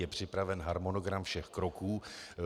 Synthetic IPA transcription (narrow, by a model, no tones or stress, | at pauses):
jɛpr̝̥ɪpɾavɛnɦaɾmonoɡɾamfʃɛxkɾokuː